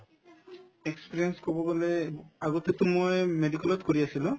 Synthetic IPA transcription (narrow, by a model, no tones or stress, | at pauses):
ekspiɾienskɔbɔbɔleaɡɔt̪et̪omojmeɖikɔlɔt̪̚koɹiasʰilo